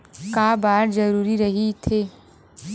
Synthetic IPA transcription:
kaːbaːɾzəɾuːɾiɾɐɦit̪ʰeː

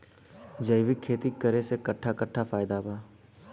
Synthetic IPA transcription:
d͡ʒəɪʋɪkʰːeːt̪ikəɾesekəʈʰːakəʈʰːafaːɪd̪abʱaː

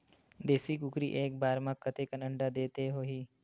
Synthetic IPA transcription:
d̪eːsikʊkɾiʔeːk̚baːɾmãkət̪ekɐnə̃ɳɖad̪eːt̪eɦoːɦiː

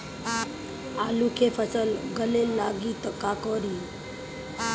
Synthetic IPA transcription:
alukʰefəsəlɡəlelːaɡiːt̪əkakɔɾi

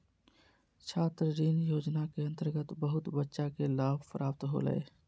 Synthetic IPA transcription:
t͡ʃʰaːt̪ɾəɾiːnjoːd͡ʒnakeə̃nt̪əɾɡət̪bəɦʊt̪bətːʃakelaːbpəɾaːp̚t̪ɦo̰lə̰ḛ

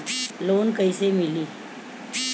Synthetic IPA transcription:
lonkəjsemiliː

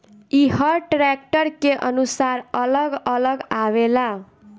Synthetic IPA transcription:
iɦʌʈɾek̚ʈʌɾkeʔʌnusaɾʌlʌɡʌlʌɡawela

